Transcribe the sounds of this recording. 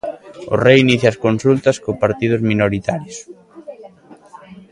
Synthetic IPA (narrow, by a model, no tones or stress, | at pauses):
ʊ̰rejiniθjaskonsult̪ɐskopaɾt̪ið̞ʊzminoɾit̪aɾjos